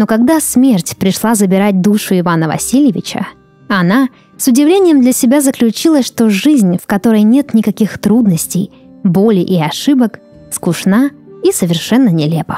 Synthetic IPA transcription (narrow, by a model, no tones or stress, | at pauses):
no̞kɐɡd̪asmʲertʲpɾʲɪʂlˠazəbʲɪɾat̚ʲd̪uʂʊɪvanəvɐ̰sʲilʲjɪvʲɪt͡ɕə̰ | ɐna | sʊdʲɪvlʲenʲɪjəmd̪lʲɐsʲɪbʲazəklʲʉt͡ɕilˠəʂt̪o̞ʐɨzʲnʲfkɐt̪o̞ɾəjnʲe̞t̪nʲɪkɐkʲixt̪ɾud̪nəsʲtʲɪj | bo̞lʲɪʔiɐʂɨbək | skʊʂnaisəvʲɪrʂɛnːənʲɪlʲe̞pə̥